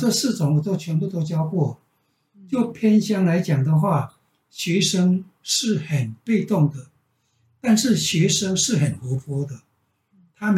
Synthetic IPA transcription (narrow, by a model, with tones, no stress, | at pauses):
ʈ͡ʂɤ˥˧sɹ̩˥˩ʈ͡ʂʊ˧˥˦ŋwɔ˨˩t͡swɔ˥˩t͡ɕʰɥɛ˧˥npu˥˩t̪o˥ʊt͡ɕjɑ˥ʊkwɔ˥˩ | t͡ɕjo˥˩ʊpʰjɛ˥nɕjɑ˥ŋla˧˥ɪt͡ɕjɑ˨˩ŋd̪ə˦xwa˥˩ | ɕɥɛ˧˥ʂə˥ŋ | ʂɻ̩˥˩xə˨˩npe˥˧ɪt̪ʊ˥˩ŋd̪ə˨ | t̪a˥˧nʂɻ̩˥˩ɕɥɛ˧˥ʂə˥ŋʂɻ̩˥˩xə˨˩nxɤ˧˥pʰɔ˥d̪ə˨ | t̪ʰa˥m